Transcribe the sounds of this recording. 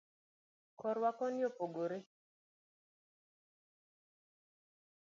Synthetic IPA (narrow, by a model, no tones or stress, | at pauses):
kɔɾwakɔnjopoɡoɾe